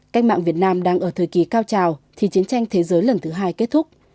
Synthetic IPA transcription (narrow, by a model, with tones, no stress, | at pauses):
ka˦˥k̟̚ma̰ː˧˨ŋvi˨˩ət̚naː˧mɗaː˧ŋʔəː˧˩t̪ʰəː˨˩jki˨˩kaː˧wt͡ɕaː˨˩wt̪ʰi˨˩t͡ɕi˨˦ənt͡ɕa˧jŋ̟t̪ʰe˨˦zəː˨˦jlə˨˩nt̪ʰɨ˨˦ɦaː˧jke˦˥t̚t̪ʰʊ˦˥k͡p̚